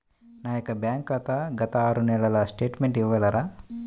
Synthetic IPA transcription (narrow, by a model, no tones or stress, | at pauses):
naːjɐkɐbjaːŋkat̪ɐɡɐt̪ɐaːɾunɛlɐlɐsʈeːʈmeɳʈiʋɐlɐɾaː